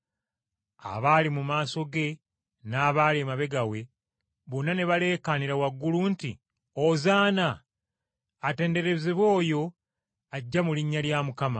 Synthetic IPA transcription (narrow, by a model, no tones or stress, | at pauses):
a̰βaːlimumaːso̞ɡe̞ | naːβaːlemaβe̞ɡawe̞ | βonːane̞βale̞ːkaniɾawaɡːulunti | ozaːna | te̞ːnde̞ɾe̞zeβwo̞ːjo̞ | aɟːamuliɲːaljamukama̰